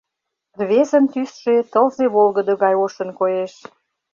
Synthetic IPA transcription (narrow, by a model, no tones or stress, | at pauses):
rβezə̆nt̪ysʃet̪əlzeβolɣə̆d̪oɣɑjoʃə̆nkojeʃ